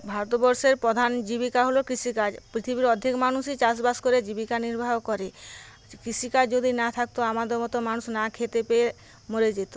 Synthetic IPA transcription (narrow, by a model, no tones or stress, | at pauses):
bʱaɾot̪bɔɾʃeɾpɾɔd̪ʱand͡ʑibikaɦolokɾiʃikad͡ʑpɾit̪ʰibiɾɔd̪ʱekmanuʃit͡ɕas̬baskoɾed͡ʑibikaniɾbʱaɦokɔɾe | kɾiʃikad͡ʒod̪inat̪ʰak̚t̪oamad̪eɾmɔt̪omanusnakʰet̪epee | moɾed͡ʑet̪o̥